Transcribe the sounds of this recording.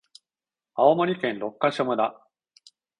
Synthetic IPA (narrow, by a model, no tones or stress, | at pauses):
aomoɾʲikẽ̞nɾo̞kːaɕomɯd̪a